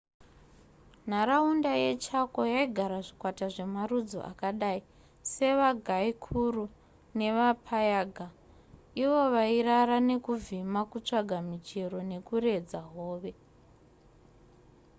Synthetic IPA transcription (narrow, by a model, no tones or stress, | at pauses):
n̤aɾaundajet͡ʃakojaiɡʱaɾaʐikwataʐe̞marud͡zo̞̰ʔa̰kaɗaːi | se̞ʋaɡʱaikʰuru | ne̞ʋapʰajaːɡʱa | iʋo̞ʋairaɾane̞kuvimakut͡ʂaɡʱamit͡ʃe̞ɾo̞ne̞kure̞d͡zaɦoːʋe̞